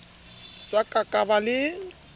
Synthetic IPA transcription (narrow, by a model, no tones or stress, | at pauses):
sakʼakʼabalɪ